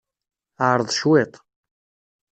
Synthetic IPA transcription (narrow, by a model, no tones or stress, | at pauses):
ɾˤəðˤʃwɪt̪ˤ